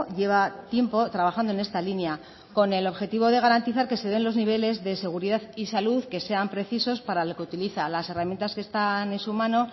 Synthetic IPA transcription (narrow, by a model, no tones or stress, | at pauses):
ʝe̞β̞at̪je̞mpo̞t̪ɾaβaxand̪oe̞ne̞st̪alinja | ko̞ne̞lo̞βxe̞t̪iβ̞o̞ðe̞ɣ̞aɾant̪iθaɾke̞seðe̞nlo̞zniβ̞e̞le̞zðe̞se̞ɣ̞uɾiðaðisaluðke̞se̞ampɾe̞θiso̞spaɾalokeut̪iliθalase̞ramjent̪aske̞st̪ane̞nsumãno̞